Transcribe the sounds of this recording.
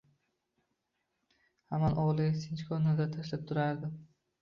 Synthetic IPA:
hamanʔɒʁlˠɪasʰɪnt͡ʃkʰɒnad̪at̪ʰaʃlap̚t̪ʰʊɾaɾd̪ɪ

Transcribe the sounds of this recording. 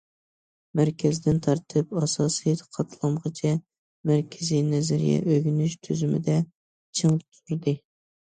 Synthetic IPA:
mæɾkʲʰɛzd̪ɪnt̪ʰɑɾt̪ʰɨpɑsɑːsijt̪qʰɑt̪ʰlˠɑmʁət͡ʃʰɛ | mæɾkʲʰɪzinɛzæɾḭjɛ̰ʔøɡʲnyʃt̪ʰyzymɪ̰d̪ɛ | t͡ʃʰɨŋt̪ʰuɾd̪ɨ

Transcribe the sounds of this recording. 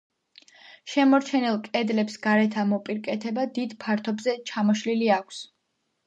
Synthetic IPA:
ʃɛmɔɾt͡ʃʰɛnilˠkʼɛd̪lɛpsɡ̥aɾɛt̪ʰamɔpʼiɾkʼɛt̪ʰɛbad̪id̪pʰaɾt̪ʰɔbzɛt͡ʃʰamɔʃliliakʷʰs

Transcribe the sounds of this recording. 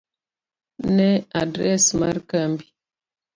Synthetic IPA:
nɛadɾɛ̰smaɾkəmbi

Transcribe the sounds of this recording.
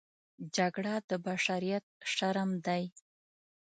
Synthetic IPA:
d͡ʒaɡɽad̪əbaʃaɾijat̪̚ʃaɾamd̪aj

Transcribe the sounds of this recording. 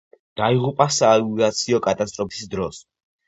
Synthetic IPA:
d̪̥aiʁupʼasaːuzat̪sʰiɔkʼat̪ʼast̪ʼɾɔpʰi̥sd̪ɾɔs

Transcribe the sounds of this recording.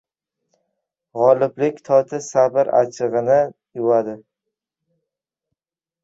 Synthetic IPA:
ʁɒlɪblɪkʲt̪ʰɒt̪ʰɪsabɪɾa̰t͡ʃʰɨʁɨnɪjʊwad̪ɪ

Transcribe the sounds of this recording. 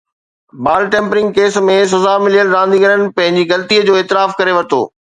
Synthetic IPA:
baːlʈẽːmpɾɪ̃ŋɡ̚keːsmẽs̬ɐzaːmɪlijəlɾãːnd̪iɡəɾənɪ̆pɐ̃ɦɪ̃ɲd͡ʑiɣɐlt̪iəd͡ʑoːeːt̪ɪɾaːfkɐɾeʋɐt̪o̰ː

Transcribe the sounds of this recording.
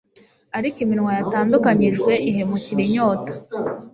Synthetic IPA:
aɾikimiɾŋwajataːndukaɲiʒɡwe̞ʔiɦemuciɾiɲoːtḁ

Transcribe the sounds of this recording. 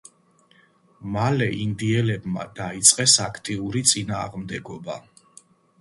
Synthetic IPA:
malɛʔind̪iɛlɛbma̰d̪ait̪sʼqʼɛsakʰt̪ʼiuɾit̪sʼinaːʁmd̪ɛɡɔba

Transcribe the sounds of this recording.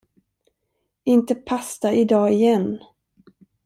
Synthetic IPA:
ɪnt̪əpʰast̪aʔɪd̪ɑːɪjɛn

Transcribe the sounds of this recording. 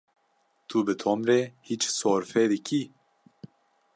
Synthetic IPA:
t̪ʰubɨt̪ʰomɾɛhit͡ʃsoːɾfɛd̪ɨkʰʲi

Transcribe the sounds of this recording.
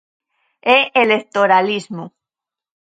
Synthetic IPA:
eelekt̪oɾalizmo

